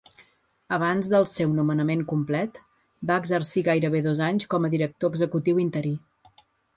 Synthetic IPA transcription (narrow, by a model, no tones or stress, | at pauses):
əβ̞anzðəlˠsewnumənəmeŋkumplɛt̪ | baəɡzəɾsiɣajɾəβeðozaɲskɔməðiɾək̚t̪oəɡzəkut̪iwint̪əɾi